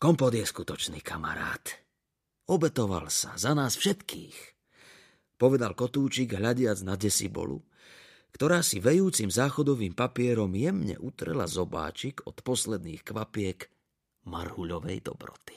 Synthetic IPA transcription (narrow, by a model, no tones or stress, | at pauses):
kɔmpɔd̪jɛskut̪ɔt͡ʃniːkʰama̰ɾa̰ːt̪ | ɔbɛt̪ɔʋa̰lsazanaːsfʃɛt̪kiːx | pɔʋɛd̪alkɔt̪uːt͡ʃiɡɦʎaɟɪad͡znaɟɛsibɔ̰lṵ | kt̪ɔɾaːsiʋɛjuːt͡simzaːxɔd̪ɔʋiːmpapɪɛɾɔmjɛmɲɛ̰ʔut̪ɾɛ̰la̰zɔba̰ːt͡ʃiɡɔ̰t̪pɔslɛd̪niːxkʋapɪɛk | marhuʎɔʋɛ̰jd̪ɔ̰bɾɔ̰t̪i̥